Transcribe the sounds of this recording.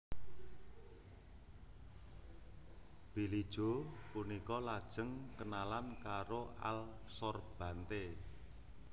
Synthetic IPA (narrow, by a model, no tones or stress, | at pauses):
b̥ilid̥ʒ̥o̤punikɔlad̥ʒ̥ə̤ŋkənalankaɾoʔa̰l | sɔrb̥ä̤nt̪e